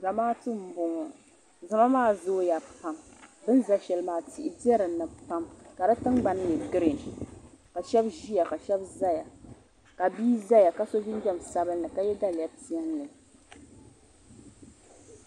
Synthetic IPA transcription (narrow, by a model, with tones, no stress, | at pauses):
za˨maː˦tɨ˦m̩˦bʊ˨ŋɔ˨ | zɨ˨ma˦maː˦˨zo˦ja˨pa˦mbɨ˦n˦za˦ʃɛ˨lɨ˦maː˨ti˨ʔɪ˨di˦ɛ˦ɾɨ˨nːɨ˨pa˦mka˨dɨ˦tɨ˦ŋɡ͡ba˨n˦jɛ˨ɡɨ˦ɾe˨n˨ | ka˨ʃɛ˦bʒi˦ja˨ka˨ʃɛ˦bza˦ja˨ | ka˨biː˦za˦ja˨ka˦so˦vi˦n˦d͡ʒɛ˦˨m˨sa˦bɨ˦lnɨ˨ka˨jɛ˦da˦lja˦ti˦ɛ˦nlɨ˨